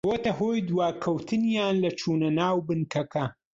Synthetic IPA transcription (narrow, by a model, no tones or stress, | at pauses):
ot̪ɐɦoːjd̪wɑːkʰɐwt̪ʰɨnjɑːnlɐt͡ʃʰuːnɐnaːwbɨnkʰɐkʰɐ